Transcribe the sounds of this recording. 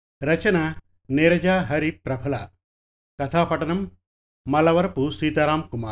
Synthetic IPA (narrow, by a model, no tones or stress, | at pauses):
ɾɐt͡ʃɐna | neɾɐd͡ʒaːɦɐɾipɾɐpʰɐla | kɐt̪ʰaːpɐʈɐnɐmː | ɐlɐʋɐɾpusiːt̪aɾaːmkumaːɾ